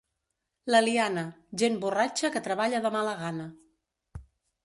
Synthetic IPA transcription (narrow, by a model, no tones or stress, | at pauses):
ləlianəʒemburat͡ʃəkət̪ɾəβ̞aʎəðəmaləɣanə